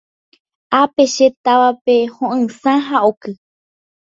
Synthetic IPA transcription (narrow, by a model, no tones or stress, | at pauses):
ape̞ʃet̪aʋape̞hõʔɨ̃sãɦaʔokɨ